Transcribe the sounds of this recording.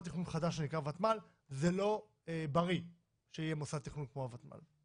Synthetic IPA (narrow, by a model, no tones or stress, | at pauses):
t̪iχnunχadaʃenikʁavat̪mal | zelo̞ | ebaʁi | ʃeijemosat̪iχnunkmoavat̪ma̰l